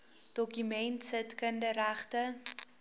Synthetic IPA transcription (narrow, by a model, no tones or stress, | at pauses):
d̥ɔkymɛntsətkəndəɾæχtə